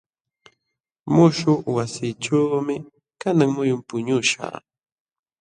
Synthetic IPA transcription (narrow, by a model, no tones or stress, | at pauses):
mʊʃʊwasiːʈ͡ʂawmɪ | kanaŋmʊjʊmpʊɲʊʃa̰ː